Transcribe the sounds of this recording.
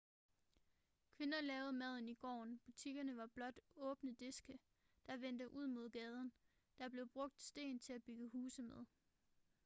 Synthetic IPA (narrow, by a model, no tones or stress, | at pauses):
kʰʋe̝nɐlɛːʊð̞̩ˠmæð̞̰ˠn̩iɡ̥ɒ̰ːnb̥ut͡sʰiɡ̥ɐnəʋɑ̈b̥lɒ̽d̥ɔ̽ːb̥nəd̥e̝sɡ̥ə | d̥ɑ̈ʋend̥əʔuð̞̰ˠmo̝ð̞̰ˠɡ̥ɛːð̞ˠən̩ | d̥ɑ̈b̥le̝ʊb̥ʁɔ̽ɡ̥̚d̥sd̥e̝̰ːnt͡sʰe̝læb̥yɡ̥əɦhuːsəmeð̞ˠ